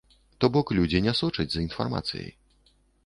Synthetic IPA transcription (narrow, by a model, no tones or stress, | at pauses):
t̪ɔbɔklʲud͡zʲinʲɛsɔt͡ʂɨd͡zʲzinfa̰rma̰t̪sʲjḛj